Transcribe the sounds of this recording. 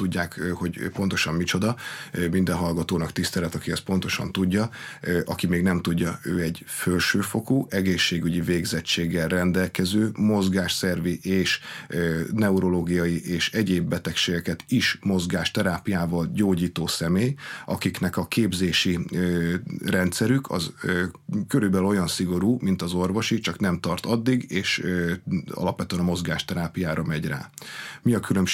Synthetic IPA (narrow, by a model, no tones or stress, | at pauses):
t̪uɟːaːkho̞ɟpo̞nt̪o̞ʃɒmmit͡ʃo̞d̪ɒmind̪ɛnɦɒlɡɒt̪oːnɒkt̪ist̪ɛlɛt̪ɒkiɛst̪̚po̞nt̪o̞ʃɒ̰nt̪uɟːɒʔɒkimeːɡnɛmt̪uɟːɒø̰ːɛɟ | følʃøːfo̞kuːʔɛɡeːʃːeːɡyɟiveːɡzɛt͡ʃːeːɡːɛlrɛnd̪ɛlkɛzøːmo̞zɡaːʃsɛrviʔeːʃønɛuɾo̞loːɡijɒjiʔeːʃɛɟeːbːɛt̪ɛkʃeːɡɛkɛt̪iʃmo̞zɡaːʃt̪ɛɾaːpijaːvɒlɟoːɟiːt̪oːsɛmeːjʔɒkiknɛkɒkeːbzeːʃi | rɛnt̪sɛɾykʰɒ̰zøkøɾybɛlyo̞jɒnsiɡo̞ɾuːmint̪ɒzo̞rvo̞ʃit͡ʃɒknɛmt̪ɒrt̪ɒd̪ːiɡeːʃ | ɒ̰lɒpʋɛt̪yɛnɒmo̞zɡaːʃt̪ɛɾaːpijaːɾɒmɛɟra̰ːmiɒkylømʃ